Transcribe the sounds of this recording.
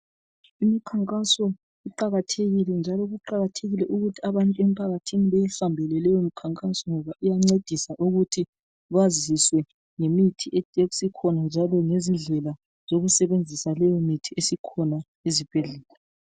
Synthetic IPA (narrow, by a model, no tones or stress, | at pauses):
imikʰaŋkʼasɔ | iǃaɣatʰeɣilɛnd͡ʒʱalɔɣuǃaɣatʰeɣilɛʔuɣutʰiaβantʼuɛm̩pʰaɣatʰiniβejihambʱɛlɛlɛjɔmikʰaŋkʼasɔŋɔβaʔijaŋ͡ǀed̥ʱisaʔuɣutʰi | βaziswɛ | ŋemitʰiʔeeɣusikʰɔnand͡ʒʱalɔŋezinɮɛla | z̥oɣusɛβend͡zʱisalɛjɔmitʰiesikʰɔna | ezib̥ʱɛɮɛːla